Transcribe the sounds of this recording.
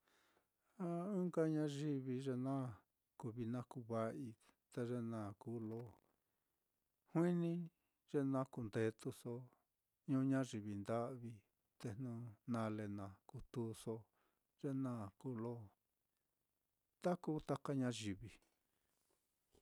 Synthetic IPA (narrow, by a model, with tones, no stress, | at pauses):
a˦ũ˦ka˦ɲã˦ʒi˧βi˧ʐe˧nã˦ | ku˧βi˧nã˦ku˧˦βa˧ʔi˧ | t̪e˧ʐe˧nã˨ku˦lo˦ | hwĩ˦nĩ˦ | ʐ̥e˧nã˦ku˧nd̪e˧t̪u˧so˧ | ɲũ˧˦ɲã˦ʐi˧˨βi˧˨nd̪a˦ʔβi˧ | t̪e˧nũ˧nã˧le˧nã˧ku˧t̪u˦so˧ | ʐ̥e˧nã˦˧˨ku˧˦lo˦ | t̪a˦ku˧˦t̪a˦ka˦ɲã˧ʒi˧˨βi˧˨